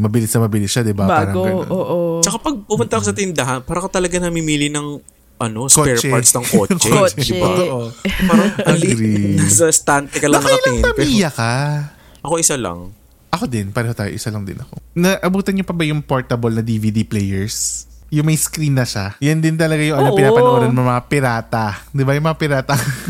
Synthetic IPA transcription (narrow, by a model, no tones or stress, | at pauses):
mɐbɪlɪsnɐmɐbɪlɪsʃad̪ɪbapːaɾɐɐ̰ʔot͡ʃɐkapɐɡ̚pʊmʊnt̪ɐʔkosɐt̪ɪnd̪ɐɦɐnpaːɾɐkɐt̪ɐlɐɡɐnɐmimiːlɪnɐŋ | ʔɐno̞skopɛɹt͡ʃɛaɾt̪snɐŋkoːt͡ʃkɛot͡ʃd̪ɪbaoʔoaɾɐʔɐŋlɪɡɾisɐst̪ant̪ɛkɐlɐnɐkɐtlɪɐmpɛijɐka | ʔɐkoʔɪsalɐ̰ŋ | ʔɐko̞d̪ɪnpaɾɛhot̪aːjoʔɪsalɐŋd̪ɪ̰nɐkonɐʔɐbuːt̪ɐnɲːopɐbɐjʊŋpoːɹt̪ɐbɐlnɐd̪ivid̪iplɛjɛɹs | jʊŋmɐjskɾinːɐʃajɐnd̪ɪnt̪ɐlɐɡajʊŋʔɐnopɪnapɐnoʔoːɾɐnmʊmɐŋapɪɾaːt̪ɐd̪ɪbajʊŋmɐŋapɪɾaːt̪ɐ